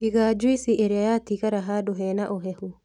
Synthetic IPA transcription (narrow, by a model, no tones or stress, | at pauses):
iɣad͡ʒwisiʔeɾeajatiɣaɾaɦadoɦɛnaʔoɦɛhu